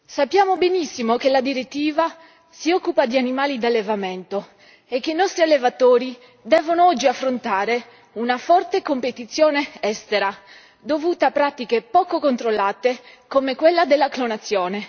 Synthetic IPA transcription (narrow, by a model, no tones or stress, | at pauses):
sapːjaːmobenisːimokelad̪iɾet̪ːiːva | siɔkːupad̪ianimaːlid̪alːevament̪o | ekːeinɔst̪ɾialːevat̪oːɾi | d̪ɛːvonoɔd͡ʒːiafːɾont̪aːɾe | unafɔrt̪ekompet̪it̪sːjoːneɛst̪eɾa | d̪ovuːt̪eapːɾat̪ikepɔːkokont̪ɾolːaːt̪e | komekwelːad̪elːaklonat̪sːjoːne